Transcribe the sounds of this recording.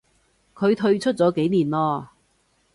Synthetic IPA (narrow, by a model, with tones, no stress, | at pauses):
kʰɵ˨˧ɥt̪ʰɵ˧ɥt͡ʃʰɵ˥t̚t͡sɔː˨˧˥ke˨˥jniː˨˩nlɔː˧